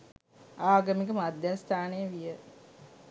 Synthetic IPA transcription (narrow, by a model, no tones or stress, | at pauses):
aːɡəmikəmad̪jast̪ʰaːnejəʋijə